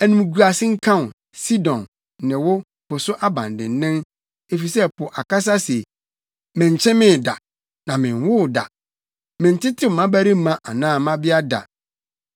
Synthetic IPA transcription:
æ˨nũ˨m˨ɡu˨a˨sɪ˦ŋ̩˦kʰã˦n˨ | si˦dɔ̃˨nː | ɪ̃˨wʊ˦ | pʊ˨sʊ˦ʔa˦bã̰˨ndɪ̰̃˨n˦nɪ̃˦n | e˨fi˨sɛ˦pʰʊ˨ʔa˨ka˦s̬a˦sɛ˨ | mɪ̃˨ɲ̩˨t͡ɕʰɛ̃˦mɪ̃˦˨da̰˨ | nã˨mɪ̃˨n˦wʊ˦˨da̰˨ | mɪ̃˨n˨tʰɪ˦tʰɪ˦m̩˨mã˦bæ˦ɾĩ˦m̩˦mã˦ʔa˨nãː˦˨mã˦bɪ˦a˦da̰˨

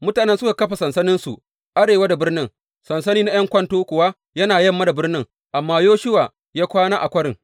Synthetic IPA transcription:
mʊ˦taː˨nɛ˦nsʊ˦ka˨kɐ˦ɸa˨sɐ˨nsɐ˦nɪ˦nsu˨ | ʔa˦ɽeː˨waː˦da˨bɪ˦rnɪ˦ŋ | sɐ˨nsɐ˦niː˦na˦j̰ɐ˦ŋkʷɐ˦ntoː˦kʷʊ˨wa˦ | jɐ˦naː˨jɐ˦mːa˦da˨bɪ˦rnɪ˦ŋ | ʔa˨mːaː˦joː˦ʃɪ˦waː˨ | jaː˦kʷaː˦naː˦ʔa̰˨kʷɐ˦ɽɪ˨ŋ

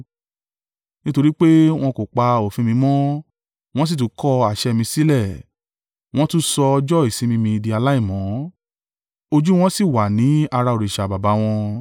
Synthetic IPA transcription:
nĩ˦to˧ɾi˦k͡pe˦w̃ɔ̃˧ko˨k͡pa˧o˨fĩ˧mĩ˧mɔ̃˦ | w̃ɔ̃˦s̬i˦˨tũ˨˦kʰɔ˦a˨ʃɛ˧mĩ˧si˦lɛ˦˨ | w̃ɔ̃˦tũ˦sɔ˧d͡ʒɔ˦˨i˨sĩ˨˦mĩ˧mĩ˧di˧a˧la˦i˦˨mɔ̃˨˦ | o˧d͡ʒu˦w̃ɔ̃˦si˦˨wa˨nĩ˨˦a˧ɾa˧o˨ɾe˨ʃa˨ba˨ba˨˦w̃ɔ̃˧

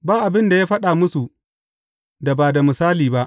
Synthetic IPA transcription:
baː˦ʔa˨bɪ˦nda˨jaː˦ɸɐ˦ɗa˨mʊ˦su˨ | da˨baː˨da˨mɪ˨saː˦liː˨ba˦ʔ

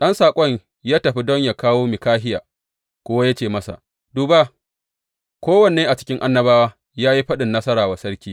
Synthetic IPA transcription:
ɗɐ˦nsaː˨kʷʼɔ˦ɲ | jaː˦tɐ˨ɸi˦dɔ˦ɲjaː˨kaː˦woː˦mɪ˨kaː˦ɦɪ˦ja̰ː˨ | kʷʊ˦wa˦ja˦t͡ʃeː˨mɐ˦sa̰˨ | duː˨ba˦ | kʷoː˦wɐ˨ne˨eː˦ʔa˨t͡ʃɪ̥˦kʲɪ˦ŋʔa˦nːɐ˦baː˦waː˦ | jaː˦ji˦ɸɐ˦ɗɪ˨nːɐ˦sɐ˦ɾaː˨wa˨sɐ˦ɾkʲiː˦

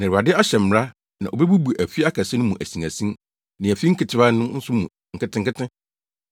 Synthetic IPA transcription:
nã˨a˨dɪ˦a˦ɕɛ˨m̩˨ɾa˦ | nã˨ʔo˨bɛ˦bu˦bu˨ʔæ˨fi˦a˦kʰa˨sɛ˦nʊ̃˦mũ˨ʔæ̰˨si˨ŋæ˨sĩ˦m | nɪ̃˨æ˨fi˦ŋ̩˦kʰɪ˨tʰɪ˨ba˦nʊ̃˦n̩˦sʊ˦mũ˨ | ŋ̩˨kɪ˦tʰɪ̃˦ŋ̩˦kɪ˦tʰɪ̃˦

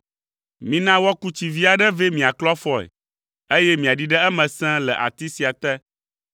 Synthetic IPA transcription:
mĩ˨nã˦wɔ˦ku˦t͡ɕi˨vi˦a˨ɖɛ˦vɛ˦mĩ˨a˨klɔ˦fɔ˦ɛ̰˨ | e˦jɛ˦mĩ˨a˨ɖi˦ɖɛ˦ɛ˦mɛ̃˨sɛ̃˦lɛ˨ʔa̰˨t̪i˦si˨a˨t̪ɛ˦

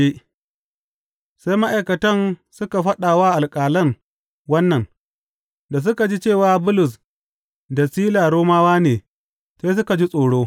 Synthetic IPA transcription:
e˦ | sa˦jma˦ʔa˨kɐ˨tɐ˦nsʊ˦ka˨ɸɐ˦ɗaː˨waː˦ʔa˨lkʼaː˨lɐ˦ŋ | wɐ˦nːɐ˨n | da˨s̬ʊ˦ka˨d͡ʒi˦t͡ʃeː˦˨waː˨bʊ˦lʊ˨s | da˨siː˦laː˨ɽoː˦maː˦waː˦neː˨ | sa˦js̬ʊ˦ka˨d͡ʒi˦sʼoː˨ɽoː˦

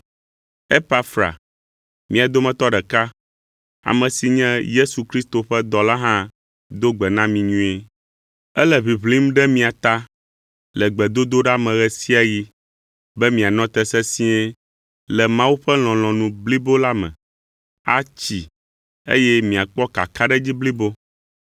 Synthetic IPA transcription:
e˦pa˦fɾa̰˨ | mĩ˦a˨d̪o˦mɛ̃˦t̪ɔ˦ɖɛ˨ka˦ | a̰˨mɛ̃˨si˨ɲɛ̃˦je˦su˨kɾi˦st̪o˨ɸɛ˦d̪ɔ˨la˦ɦã˦ | d̪o˦ɡ͡bɛ˨nã˦mĩ˨ɲũ˦e˦ | ɛ˦lɛ˨βi˨βli˦mɖɛ˦mĩ˨a˨t̪a˦ | lɛ˨ɡ͡bɛ˨d̪o˦d̪o˦ɖa˦mɛ̃˨ɣɛ˨si˦a˨ji˦ | bɛ˦mĩ˨a˨nɔ̃˦t̪ɛ˦sɛ˦sĩ˦ɛ˦ | lɛ˨mã˦wu˦ɸɛ˦l̃ɔ̃˨l̃ɔ̃˨nũ˨bli˦bo˦la˦mɛ̰̃˨ | a̰˦t͡ɕi˨ | ḛ˦jɛ˦mĩ˨a˨k͡pɔ˦ka̰˨ka˦ɖɛ˦d͡ʑi˦bli˦bo˦

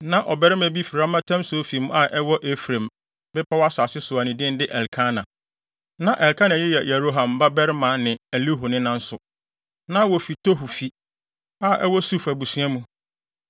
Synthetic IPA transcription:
nã˨ʔɔ˨bɛ˦ɾɪ˦mæ̃˨bi˦fi˨ɾa˦mã˦tʰã˦msʊ˨˦o˦fi˨mũ˦a˦˨ʔɛ˦wɔ˦ʔe˦fɾẽ˨m | bɛ˦pʰa˦wa˦sa˨sɪ˦sʊ˨a˨nĩ˨dɪ̃˦n˦dɪ˦ʔɛ˨lkʰa˦nã˨ | nã˨ʔɛ˨lkã˦nã˨jɪ˦jɛ˨jɛ˨ɾo˦ɦã˨mba˦bɛ˦ɾɪ˦mã˨˦nɪ̃˨æ˨li˦ɦo˨nɪ̃˦nã˦n̩˦sʊ˨ | nã˦wɔ˨fi˨tʰo˦ɦu˨fi˨ | a˦˨ʔɛ˦wɔ˦su˦fæ˨bu˨sɥɛ˦mũ˦

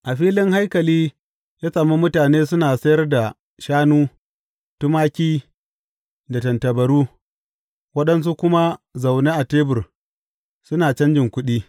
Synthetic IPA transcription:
ʔa˨ɸiː˦lɪ˦ŋha˦jkɐ˨liː˦ | jaː˦saː˨mu˦mʊ˦taː˨neː˦sʊ˦naː˨sɐ˦jɐ˦rda˨ | ʃaː˦nuː˦ | tʊ˦maː˦kʲiː˦ | da˨tɐ˨ntɐ˨bɐ˨ɾuː˦ | wɐ˦ɗɐ˦ns̬u˦kʷʊ˦ma˦za˨wneː˦ʔa˨teː˦bʊ˨r | sʊ˦naː˨t͡ʃɐ˦nd͡ʒɪ˨ŋkʷʊ˦ɗiː˦

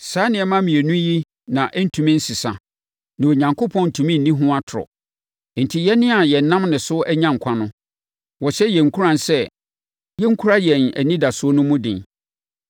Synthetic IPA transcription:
saː˨˦nɪ̃˨ɛ˨˦mã˦mĩ˨e˨nũ˦ji˦ | nã˨ʔɛ˦n̩˦tʰũ˨mĩ˦n̩˦sɪ˨sa̰˨ | nã˨o˨ɲã˨ŋkʰo˦pʰɔ̃˦n̩˨tʰũ˨mĩ˦n̩˨nĩ˦ɦʊ̃˦a˦tʰʊ˨ɾɔ̰˨ | n̩˨tʰi˦jɛ˦nɪ̃˦a˨jɛ˨n˨˦nã˦mnɪ̃˨sʊ˦ʔɛ˦ɲã˦˨ŋ̩˨kʷʰã˦nʊ̃˦ | wɔ˨ɕɛ˦jɛ˨ŋ̩˨kʰu˦ɾã˨n˨sɛ˦ | jɛ˦ŋ̩˦kʰu˦ɾa˦jɛ˨næ̰˨nĩ˦da˨sʊ˨˦ɔ˦nʊ̃˦mʊ̃˦dɪ̰̃˨n

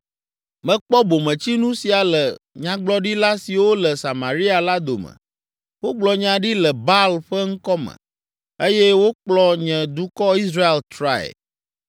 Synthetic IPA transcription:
mɛ̃˦k͡pɔ˦bo˨mɛ̃˨t͡ɕi˦nũ˦si˨a˨lɛ˨ɲã˨ɡ͡blɔ˦ɖi˦la˦si˨wo˦lɛ˨sa˨ma˨ɾi˦a˨la˦d̪o̰˨mɛ̰˨ | wo˦ɡ͡blɔ˨ɲã˨ɖi˦lɛ˨ba˦lɸɛ˦ŋ̩˦kɔ˦mɛ̰̃˨ | e˦jɛ˦wo˦k͡plɔ˦ɲɛ̃˨d̪u˦kɔ˦i˦sɾa˦e˦˨lt̪ɾa̰˦ɛ̰˨

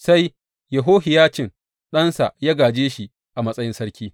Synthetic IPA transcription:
sa˦j | jɐ˨ɦoː˦ɦɪ˨jaː˦t͡ʃɪ˦ŋ | ɗɐ˦nsa˨jaː˦ɡaː˨d͡ʒeː˦ʃi˨ | ʔa˨mɐ˦sʼɐ˦jɪ˦nsɐ˦ɽkʲiː˦

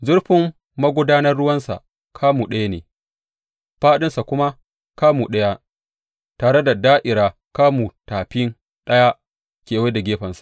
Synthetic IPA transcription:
zʊ˦rɸɪ˦mː | ɐ˦ɡʷʊ˦daː˦nɐ˦rɽʊ˦wɐ˦nsa̰˨ʔ | kʰaː˦muː˨ɗɐ˦ja˦nḛː˨ | ɸaː˦ɗɪ˦nsa˨kʷʊ˦ma˦ | kaː˦muː˨ɗɐ˦ja˦ | taː˨ɽe˦da˨daː˦ʔɪ˨ɾaː˨ | kaː˦muː˨taː˨ɸɪ˦n | ɗɐ˦ja˦ | kʲeː˨we˦da˨ɡʲeː˦ɸɐ˨nsḁ˨ʔ

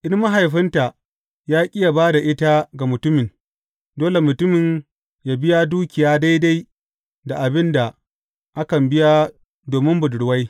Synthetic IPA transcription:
ʔɪ˦rma˦ɦa˨jɸɪ˦nta˨ | jaː˦kʲʼɪ˦ja˨baː˦da˨ʔɪ˦ta˦ɡa˨mʊ˨tʊ˦mɪ˨n | doː˦le˨mʊ˨tʊ˦mɪ˨ɲ | jaː˨bɪ˦jaː˦duː˦kʲɪ˨jaː˦da˦jda˦j | da˨ʔa˨bɪ˦nda˨ | ʔa˦kɐ˨mbɪ˦ja˦ | doː˨mɪ˦mbʊ˨dʊ˨ɽwa˦j

